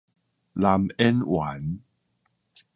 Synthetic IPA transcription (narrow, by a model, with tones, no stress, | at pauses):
la˧mɛ˦nwʔa˨˦n